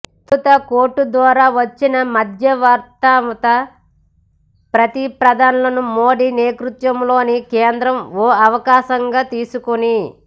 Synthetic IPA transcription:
t̪ut̪ɐko̞ːʈːud̪ʋaːɾaːʋɐt͡ʃːinɐmɐd̪ʱjɐʋaːɾt̪aːmɐt̪ɐ | pɾɐt̪ipɾɐd̪ʱaːnɐlɐnumoːɖiːneːkɾut̪ʋɐmlo̞ːnikeːnd̪ɾɐmoːɐʋɐkaːʃɐŋɡaːt̪iːsukuni

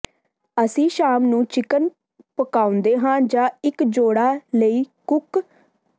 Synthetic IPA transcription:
əsĩːʃaːmnũːt͡ʃɪkən | pəkaːʊ̃nd̪eːɦãːd͡ʒãːɪkd͡ʒoːɽaːləiːkʊk

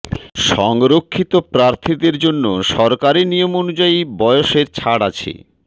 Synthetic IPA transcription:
ʃɔŋɾokʰːit̪opɾaɾt̪ʰid̪eɾd͡ʑonːoʃɔɾkaɾinijomonud͡ʑaibɔeoʃeɾt͡ɕʰaɽa̰t͡ɕʰḛ

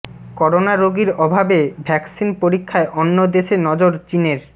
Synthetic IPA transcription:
kɔɾonaɾoɡiɾɔbʱabebʱɛksinpoɾikʰːaeʔonːod̪eʃenɔd͡ʑoɾt͡ɕineɾ

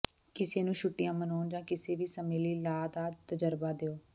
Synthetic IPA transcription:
kɪseːnũːʃʊʈːɪjãːmənoːnd͡ʒãːkɪseːʋiːsəmeːliːlaːd̪aːt̪əd͡ʒəɾbaːd̪eːoː

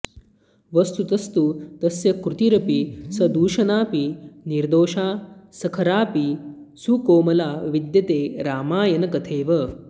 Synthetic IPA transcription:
ʋɐst̪ut̪ɐst̪ut̪ɐsjɐkɾut̪iɾɐpisɐd̪uːʃɐnaːpiniɾd̪oːʃaːsɐkʰɐɾaːpisukoːmɐlaːʋid̪jɐt̪eːɾaːmaːjɐnɐkɐt̪ʰeːʋɐ

